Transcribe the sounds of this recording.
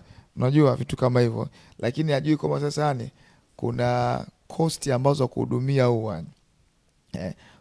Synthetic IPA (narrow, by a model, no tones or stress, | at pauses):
unaʄuavitu̥kamahivjɔ̰ | lʔakiniaʄuikwambasasani | kṵnakʰɔstiambazɔakṵhṵɗumiauwaɲ | ɛ̰